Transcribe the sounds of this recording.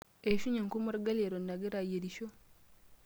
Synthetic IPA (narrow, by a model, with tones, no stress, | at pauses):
e˨ʃu˦ɲe˨ŋku˦mu˦ɾu˦ɡa˦le˨ɾo˨nːa˨ɡe˦ɾa˨je˨ɾiʃo˦